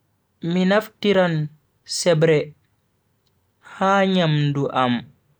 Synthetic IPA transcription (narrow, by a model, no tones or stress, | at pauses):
minaftiɾan | sɛbɾɛ | haːɲamduʔam